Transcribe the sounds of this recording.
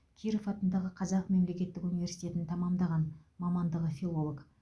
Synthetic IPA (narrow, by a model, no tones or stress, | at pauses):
kʲʰiɾofɑt̪ənd̪ɑʁəqʰɑzɑqme̞mle̞kʲe̞t̪ːɪkunivʲe̞ɾsijt̪ʲe̞t̪ɪnt̪ʰɑmɑmd̪ɑʁɑnmɑmɑnd̪əʁəfilˠo̞lˠo̞k